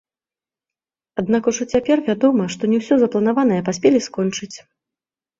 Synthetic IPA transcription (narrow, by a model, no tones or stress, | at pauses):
ad̪nakuʐɔt͡sʲapʲɛrvʲad̪ɔmɐʂt̪ɔnʲɛwsʲɔzɐplˠɐnavanɐjɛpasʲpʲeɛlʲiskɔnt͡ʂɨt͡sʲ